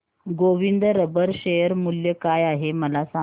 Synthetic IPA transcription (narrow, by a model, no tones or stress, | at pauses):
ɡoʋind̪ɾəbəɾɕejəɾmuljəkajaɦeməlasa